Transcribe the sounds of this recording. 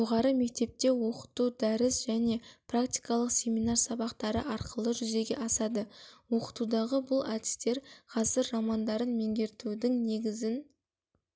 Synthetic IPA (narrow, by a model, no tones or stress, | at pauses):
ʒo̞ʁɑɾəme̞k̚t̪e̞p̚t̪e̞wo̞qə̥t̪ud̪æɾɪsʒæne̞prakt̪ʲi̥jkɑlˠəqsʲe̞mijnɑɾsɑbɑqt̪ɑɾəʔɑɾqʰəlˠəʒʏze̞ɡʲe̞̰ʔɑsɑd̪əwoqə̥t̪ud̪ɑʁəbʊlˠa̰d̪ɪ̥st̪e̞ɾqʰɑzəɾːɑmɑnd̪ɑɾənme̞ŋɡʲe̞ɾt̪ud̪ɪŋne̞ɡʲɪzɪn